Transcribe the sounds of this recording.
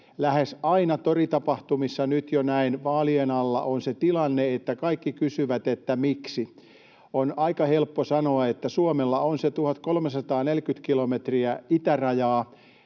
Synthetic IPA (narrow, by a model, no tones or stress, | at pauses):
læhesɑinɑt̪orit̪ɑpɑht̪umisːɑnyt̪jonæinʋɑːlienɑlːɑ̰ʔonset̪ilɑnːeet̪ːækɑikːikysyʋæt̪et̪ːæmiksi | onɑikɑhelpːosɑnoɑet̪ːæsuomelːɑonset̪uhɑt̪kolmesɑt̪ɑːnelkyt̪kilomet̪riæit̪ærɑjɑː